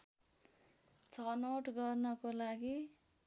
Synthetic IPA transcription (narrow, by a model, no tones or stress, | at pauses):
t͡sʰʌnoʈɡʌrnʌkolaɡi